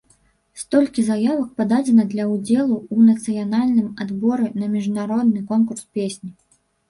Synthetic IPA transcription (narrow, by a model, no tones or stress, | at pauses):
st̪ɔlʲkʲizajavɐk̚pad̪ad͡zʲɛnɐd̪lʲɐwd͡zʲɛlˠuunɐt̪sɨjanalʲnɨmad̪bɔɾɨnɐmʲiʐnaɾɔd̪̚nɨkɔnkurspʲesʲnʲi